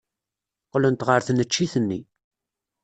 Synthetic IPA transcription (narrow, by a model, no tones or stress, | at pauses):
qlənt̪ʁəɾθnət͡ʃːiθənːi